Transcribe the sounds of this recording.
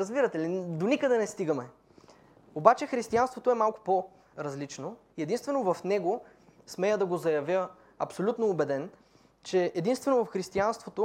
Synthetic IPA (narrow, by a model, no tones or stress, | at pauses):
ɾəzbiɾɐt̪ɛlid̪onikəd̪ɛnɛst̪iɡəmɛ | obat͡ʃɛxɾist̪ianst̪vot̪oɛmalˠkʊ̥po | ɾɐzlit͡ʃno | iɛd̪inst̪vɛnovɐfnɛɡo | smɛjəd̪ɐɡozɐjɐvʲjə | ɐpsolʲut̪noːbɛd̪ɛn | t͡ʃɛɛd̪inst̪vɛnovɐfxɾist̪ianst̪vot̪o